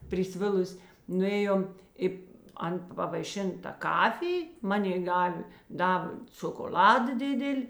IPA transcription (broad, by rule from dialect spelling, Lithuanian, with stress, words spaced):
pʲrʲɪˈsʲʋʲɪlˠʊsʲ nʊˈeːjoːm ɪ ˈɐn pɐʋɐɪˈʃʲɪn tɐ ˈkɑːfʲɪj ˈmɑːnʲeːɪ ˈdɑːʋʲeː ˈdɑːʋʲeː t͡sʲoːkoːˈlʲɑːdɐ ˈdʲɪdʲɪlʲ